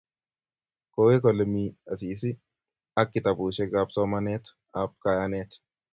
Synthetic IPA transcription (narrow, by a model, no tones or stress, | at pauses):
koːwekɔlmiːɐsiːs̬ɪ | ɐkːɪt̪ɐbuːʃɛɡaːbt̪oːmɐneːt̪ʊ̥ | aːbkɐjɐneːt̪ʊ̥